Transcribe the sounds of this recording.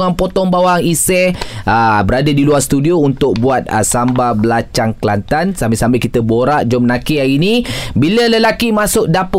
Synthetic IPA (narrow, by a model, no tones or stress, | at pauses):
ŋanpot̪ɔŋbawaŋisɛʔəbəɾadadiluarst̪udiount̪ʊk̚buat̪̚ə̰sambabəlat͡ʃaŋklant̪ansambisambɪkit̪əboɾaʔd͡ʒɔmnakiainibilələlakimasʊʔ̚dapʊ